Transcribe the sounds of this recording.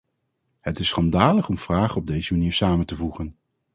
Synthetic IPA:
hətɪsːχɑndaːləχɔmv̥raːχəɔb̚dejzəmaniːɹsaːməntəvuχən

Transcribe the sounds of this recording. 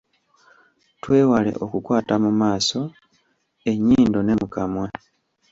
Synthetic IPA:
twe̞ːwale̞̰ʔo̞kukwaːtamumaːso̞ | e̞ɲiːndo̞ne̞mukamwa

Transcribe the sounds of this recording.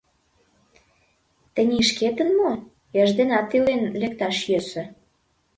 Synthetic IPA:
t̪ə̆nʲiʃket̪ə̆nmo | jɑʒd̪enɑt̪ːilenlek̚t̪ɑʃjøsø̆

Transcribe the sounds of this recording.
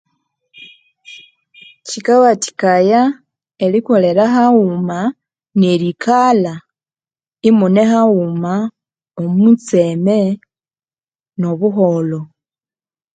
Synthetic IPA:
cikawati̥kaja | eliko̞le̞ɾaxaɣuma | neɾikala | imune̞xaɣuma | omut͡se̞me̞ | no̞βuxo̞lo̞

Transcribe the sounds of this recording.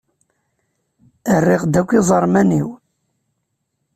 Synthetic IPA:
ərːɪʁd̪ækʷːizˤəɾˤmæniw

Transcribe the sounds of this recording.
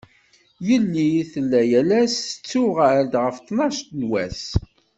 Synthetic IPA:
jəlːiθəlːæjælæsət͡sːuʁæɾd̪ʁəft̪ˤːnɑʃt̪nwæs

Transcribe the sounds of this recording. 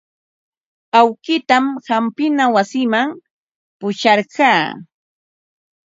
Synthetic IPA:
awkɪt̪amhampɪnawasɪmaŋ | pʊʃɑɾɢɑː

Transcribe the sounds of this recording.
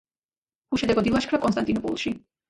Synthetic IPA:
uʃɛd̪ɛɡɔd̪ilˠaʃkʰɾakʼɔnst̪ant̪ʼinɔpʼṵlˠʃi

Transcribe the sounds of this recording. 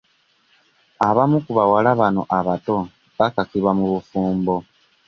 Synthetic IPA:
aβamukuβawalaβano̞ʔaβato̞ | βakakiβwamuβufuːmbo̞

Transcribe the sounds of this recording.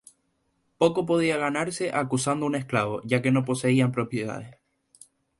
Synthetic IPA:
po̞ko̞p̬o̞ðiaɣ̞anaɾse̞ʔakusand̪oune̞hklaβo̞̰ʝake̞no̞po̞se̞iampɾo̞pje̞ða̰ðes

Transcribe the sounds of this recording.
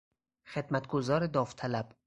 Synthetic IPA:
xed̪̥mæt̪ɡozɒːɾed̪ɒːft̪ʰælæb̥

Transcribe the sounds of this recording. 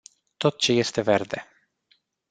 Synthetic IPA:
t̪o̞t̪̚t͡ʃe̞je̞st̪e̞ve̞rd̪e̞

